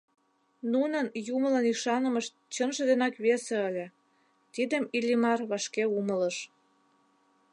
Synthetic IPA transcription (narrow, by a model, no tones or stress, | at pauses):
nunənjumələniʃɑnə̆məʃ | t͡ɕənʒə̆d̪enɑkβesĕəlʲĕ | t̪id̪əmilʲimɑrβɑʃkeumələ̆ʃ